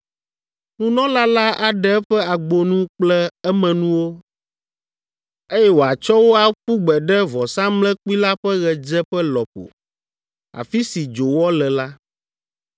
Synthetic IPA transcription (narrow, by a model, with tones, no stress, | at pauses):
nũ˦nɔ̃˦la˦la˦ʔa˨ɖɛ˦ɛ˦ɸɛ˦a˨ɡ͡bo˨nũ˦k͡plɛ˦ɛ˦mɛ̃˨nũ˦wo˦ | e˦jɛ˦wo˨a˨t͡ʃɔ˦wo˦a˨ɸu˦ɡ͡bɛ˨ɖɛ˦vɔ˨sã˦mlɛ̃˦k͡pu˦i˦la˦ɸɛ˦ɣɛ˨d͡ʒɛ˦ɸɛ˦lɔ˨ɸo̰˨ | a̰˨fi˦si˨d͡ʒo˨wɔ˦lɛ˨la˦